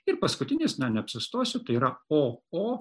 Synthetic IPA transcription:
ɪɾpɐskʊt̪ʲɪnʲɪːsnʲɛnʲɛɐpʲsʲɪst̪oːsʲʊt̪ɐɪiɾɐoːoː

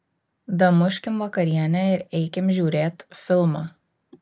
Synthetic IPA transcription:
d̪ɐmʊʃʲkʲɪmʋɐkɐɾʲiɛnʲɛɪɾɛɪkʲɪmʒʲuːɾʲeːt̪fʲɪlˠmɐ

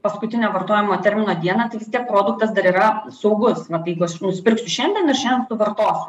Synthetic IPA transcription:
pɐskʊt̪ʲɪnʲoːʋɐrt̪oːjɛmoːt̪ʲɛɾʲmʲɪnoːd̪ʲiɛnɐt̪ɐɪʋʲɪst̪ʲiɛk̚pɾoːd̪ʊk̚t̪ɐsd̪ɐɾiːɾɐsɐʊɡʊsʋɐt̪ɪjɛɪɡʊɐʃnʊsʲpʲɪɾʲksʲʊʃʲɛnʲd̪ʲɛnɐʃʲɛndʲɛnsʊʋɐrt̪oːsʲʊ̥

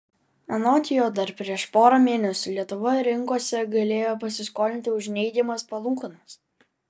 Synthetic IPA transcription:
ɐnoːt̪ʲɪjoːd̪ɐɾpʲɾʲiɛʃpoːɾɐmʲeːnʲɛsʲʊlʲiɛt̪ʊʋɐɾʲɪŋkoɔsʲɛɡɐlʲeːjoːpɐsʲɪskoːlʲɪnʲt̪ʲɪʊʒʲnʲɛɪɡ̪ʲɪmɐspɐlˠuːkɐnɐs

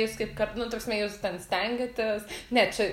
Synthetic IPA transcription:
juːskɐɪpkɐrnʊt̪oːksʲmʲɛːjuːst̪ʲɛnsʲt̪ʲɛŋʲɡʲɐt̪ʲɪsnʲɛt͡ʃʲɛ

